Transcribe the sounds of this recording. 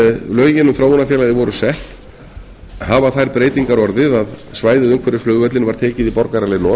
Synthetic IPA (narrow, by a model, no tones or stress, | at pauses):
lœːɥjɪnːʏmθɾoːwnafjɛlajðɪvɔɾʏsɛht̪ | havaθajɾpɾeːjt̪iŋkaɾɔɾðɪðaðsvaːjðɪðʏm̥kʰvɛɾɪflœɣvœt̪lɪnvaɾ̥t̪ʰeːcɪðipɔɾkaɾalenɔ